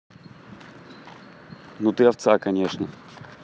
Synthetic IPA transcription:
nut̪ɨɐft̪sakɐnʲeʂnə

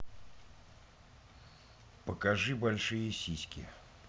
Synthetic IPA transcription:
pəkɐʐɨbɐlʲʂɨjəsʲisʲkʲɪ̰

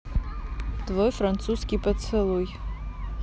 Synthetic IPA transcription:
tvojfrant̪suskʲipɐt͡sʰɨlˠuj

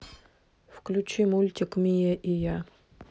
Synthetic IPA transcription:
fklʲut͡ɕimulʲtʲɪkmʲijeʔija

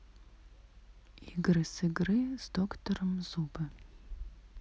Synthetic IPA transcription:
iɡrɨsɨɡrɨzdoktʰɔrɨmzuːbɐ

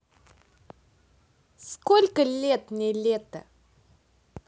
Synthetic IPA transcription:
skolʲkəlʲet̪nʲɪlʲet̪ə

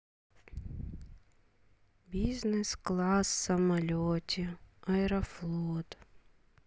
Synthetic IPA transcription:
bʲiznɛsklˠɑsːɐmɐlʲɔtʲiɐɛɾɔflˠɔt̪

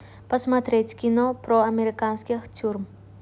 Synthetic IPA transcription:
pəsmat̪ɾʲetʲkʲɪnopɾoɐmʲeɾʲɪkanskʲɪxtʲuɾm

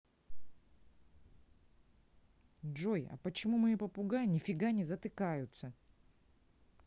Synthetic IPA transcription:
dʐojɐ̰pət͡ɕɪmumɨipəpʊɡanʲɪfʲɪɡanʲɪzət̪ɨkajʊt̪sə

